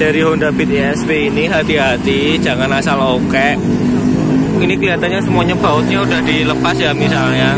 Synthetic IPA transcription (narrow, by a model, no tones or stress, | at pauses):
d̥aɾiɦondabit̪̚iɛspeiniɦat̪iɦat̪i̥ | d͡ʒaŋanasalokɛʔ | inikəliat̪anɲasəmuaɲabaʊt̪̚ɲaudahdiləpasjamisalɲa